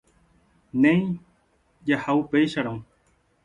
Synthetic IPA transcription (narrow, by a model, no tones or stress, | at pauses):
nẽj̃ | d͡ʒahaupejʃaɾãũ